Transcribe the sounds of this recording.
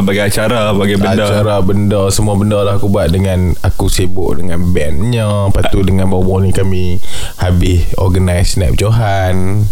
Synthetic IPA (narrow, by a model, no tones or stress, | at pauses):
baɡaat͡ʃaɾabaɡajbəadt͡ʃaɾabəndɔsəmuabəndɔlahakubuaʔ̪̚dəŋãn | akusebʊʔ̚dəŋãnbɛnɲə̃ | pat̪udəŋãnbaubaunikamĩ | habɪs | ɔ̰ɡənajsnɛ̰p̚d͡ʒoɦa | n